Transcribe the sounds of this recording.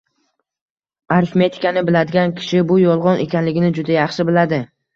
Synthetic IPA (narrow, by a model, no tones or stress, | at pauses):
aɾfme̞t̪ʰɪ̥kʲanɪbɪlad̪ɪɡʲankʲʰɪ̥ʃɪbʊjɒlˠʁɒnʔe̞̰kʲʰanlɪɡʲɪnɪd͡ʒʊd̪ajɑχʃɪbɪlad̪ɪ